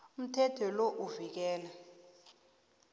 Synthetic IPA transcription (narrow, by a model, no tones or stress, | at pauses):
um̩tʰɛtʰɔloʔuvik̬ɛːla